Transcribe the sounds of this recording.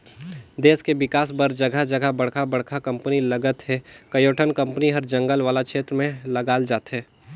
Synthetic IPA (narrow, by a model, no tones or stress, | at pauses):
d̪eːskeʋɪkaːsbəɾd͡ʒəɡʱəd͡ʒəɡʱabɐɽkʰabɐɽ̤kʰakɐ̃mpənilɐɡət̪ɦɛkɐjoːʈʰənkə̃mpəniɦɐɾd͡ʒɐ̃ŋɡəlʋaːlakʃʰeːt̪ɾəmẽləɡaːld͡ʒaːt̪ɦɛː